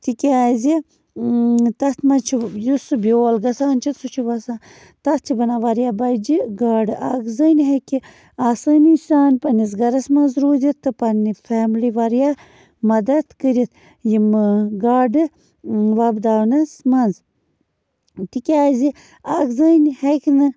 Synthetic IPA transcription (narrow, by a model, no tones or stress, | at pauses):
t̪ikaːzi | t̪ɐt̪mɐt͡ʃʰijusɨbioːlɡɐsaːnt͡ʃʰit̪sut͡ʃʰibɐsaː | t̪ɐt̪̚t͡ʃʰibɐnaʋɐɾjabɐjd͡ʒiɡaːɖɨaɡzənɦeki | asɨnisʲaːnpɐnizɡɐɾɐsmɐnzɾuːzʲit̪ːɨpɐnifaːmliʋɐɾja | mɐd̪ɐt̪kəɾit̪ | jimɡaːɖɨ | ʋɐbd̪aːnɐsmɐnz | t̪ikʲaːzi | aɡzənheknɨ